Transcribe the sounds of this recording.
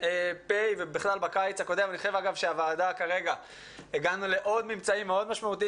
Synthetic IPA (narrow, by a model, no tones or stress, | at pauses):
epejvebiχlalbakajt͡sakod̪emaniχoʃevaɡavʃeavaːd̪akaʁe̞ɡa | eɡanule̞ʔo̞d̪mimt͡saimːe̞o̞d̪maʃmaut̪i